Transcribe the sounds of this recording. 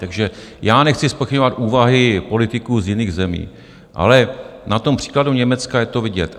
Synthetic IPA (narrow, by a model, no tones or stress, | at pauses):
t̪aɡʒɛjaːnɛxt͡sɪspoxɪɲovat̪ʔuːvaɦɪpo̞lɪt̪ɪkuːzjɪniːɣzɛmḭː | ʔa̰lɛnat̪o̞mpr̝̥i̥ːkladuɲɛmɛt͡skajɛt̪o̞vɪɟɛt̪